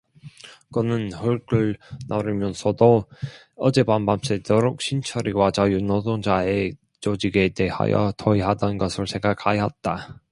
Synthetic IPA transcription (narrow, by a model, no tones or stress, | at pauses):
kɯnɯnɸɯɭk͈ɯɭnʌɾɯmjʌnsʰʌdo | ʌd͡ʑe̞bambams͈ʰedoɾok̚ɕʰint͡ɕʰʌɾiɡwat͡ɕajunodoŋd͡ʑae | t͡ɕod͡ʑiɡe̞de̞ha̰jʌ̰tʰʌiɦadʌnɡʌsʰɯɭoseŋɡakʰajat̚t͈a